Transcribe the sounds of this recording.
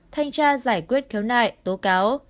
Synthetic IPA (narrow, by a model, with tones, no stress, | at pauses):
t̪ʰa˧jŋ̟t͡ɕaː˧zaː˧˩jkwi˦˥ət̚kʰɛ˨˦wnaː˧˨˩jt̪o˨˦kaː˨˦w